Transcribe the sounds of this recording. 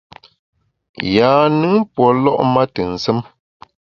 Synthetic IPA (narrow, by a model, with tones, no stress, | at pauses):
jaː˨˦nɨ˦ŋpwɔ˨lɔ̰˦ʔma˦tə˨n̩˨sə˦m